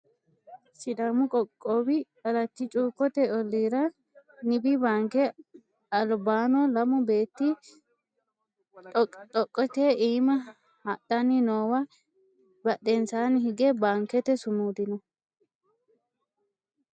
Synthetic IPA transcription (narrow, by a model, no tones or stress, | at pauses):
sɪd̪ɐmʊkʼɔkʼːobɪ | ɐlɐt̪ːɪt͡ʃʼuːkːɔt̪ɛɔlːiːɾɐ | nɪbɪbaːŋkɛ | ɐlbaːnɔlɐmʊbeːt̪ːɪ | t̪ʼɔkʼːɔt̪eʔiːmɐ | hɐɗɐnɪnoːwɐ | bɐɗɛnsaːnhɪɡɛbaːŋkɛt̪ɛsʊnuːd̪ɪnɔ